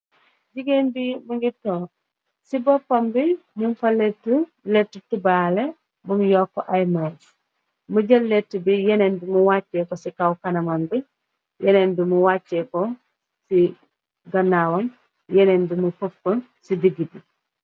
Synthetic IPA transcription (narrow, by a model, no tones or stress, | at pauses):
ɟiɡeːnbimuɡitoː | sibɔpːɐmbimumfɐlːetu | letːutubaːle | bumjɔːkːoʔajma | muɟɐlːetːubijenendimuwaːtːeːkosikawkɐnɐmɐmbi | jeneːndumuwaːt͡ʃːeko | si | ɡɐnawɐm | jenendimufofon | sidiɡibi